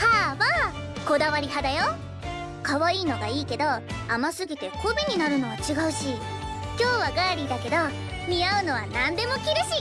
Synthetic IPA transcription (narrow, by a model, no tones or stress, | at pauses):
haːbaː | ko̞d̪aβaɾʲiɦad̪ajo | kaβaiːno̞ɡaiːke̞d̪o̞amasɨɡʲit̪e̞kʰobiɲ̟inaɾɯ̟no̞βat͡ɕiɡaɯ̟ɕikʲo̞ːβaɡaːɾʲid̪ake̞d̪o̞ | ɲiaɯ̟no̞β̞anãnd̪e̞mo̞kʲiɾɯ̟ɕi